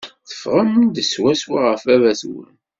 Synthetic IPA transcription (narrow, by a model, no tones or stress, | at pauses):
θə̥fʁəmnd̪əswæswaʁəfævæθwə̰n